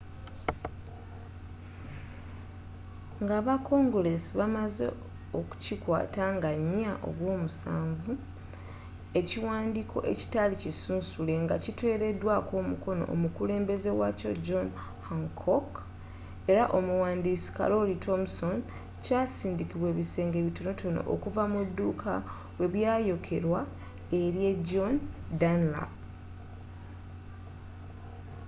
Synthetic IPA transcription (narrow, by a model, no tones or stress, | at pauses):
ŋɡaːβako̞ŋɡule̞siβamazḛ | o̞ku̥cikwa̰ːtaŋɡaɲːaʔo̞̰βwo̞ːmusaːɱvu | e̞ciwaːndiːkʰo̞̰ʔe̞̰ci̥talicisuːnsule̞ŋɡa̰citwe̞ːɾe̞dwako̞ːmuko̞no̞̰ʔːmukule̞ːmbe̞ze̞waco̞̰d͡ʒon | haŋkʰok | e̞ɾaʔomuwaːndiːsi̥ka̰ɾo̞litʰo̞mso̞n | casiːndikiβwe̞ːβise̞ːŋɡeβito̞no̞tʰo̞no̞̰ʔo̰kuvamudːukʰa | we̞βjaːjo̞kʰeɾwa | e̞ɾje̞d͡ʒondanla̰